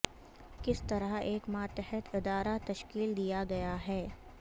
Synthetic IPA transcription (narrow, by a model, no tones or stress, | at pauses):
kɪst̪ɐɾəɦeːkmaːt̪əɦət̪ɪd̪aːɾat̪ɐʃkiːld̪ijaɡɐjaɦɛː